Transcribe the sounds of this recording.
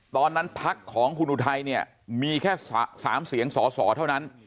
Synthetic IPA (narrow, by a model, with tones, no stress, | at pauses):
t̪ɔː˧nːa˦˥npʰa˦˥kʰːɔː˩˦ŋkʰu˧nuː˧t̪ʰa˧jni˥˩ɐ | miː˧kʰɛː˥˩ssa̰ː˩˦msi˩˦əŋsɔː˩˦sɔ̰ː˩˦t̪ʰa˥˩wna˦˥n